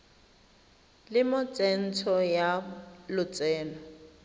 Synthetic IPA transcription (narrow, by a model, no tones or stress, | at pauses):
lɪmʊt͡sʼɛn̩tʰɔjalʊt͡sʼɛːnɔ